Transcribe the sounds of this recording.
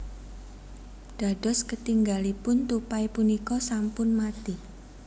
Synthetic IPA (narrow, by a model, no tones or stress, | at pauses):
ɖ̥a̤ɖ̥ɔ̤skət̪iŋɡalipʊnt̪upajpunikɔsampʊnmat̪i